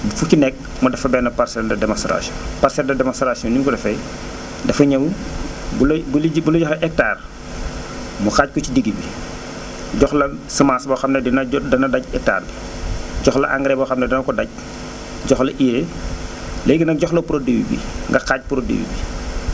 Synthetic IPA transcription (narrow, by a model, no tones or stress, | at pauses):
fucinɛk̚ | mɔdɐfɐbɛːnɐpaɾsɛldɐdɛmanstɾa̰siɔ̰̃nparsɛldɐdɛmanstɾasiɔnikɔdɐfɛ | dɐfɐɲɐwbulbbulɐɟɔxlɐʔɛk̚taːr | muxaːc̚kɔcidiɡibi | ɟɔxlɐsəmasbɐxɐmnɛinɐdɐnɐdɐɟ̚ɛk̚ta̰ːrbi | ɟɔxlɐ̰ʔa̰ŋɡɾɛbɐxɐmnɛdɐnɐkɔdɐɟ̚ | ɟɔxlɐʔiɾe | lɛjɡinɐk̚ɟɔxlɐpuɾodewḭbḭŋɡɐxaːc̚puɾodḛːwḭbi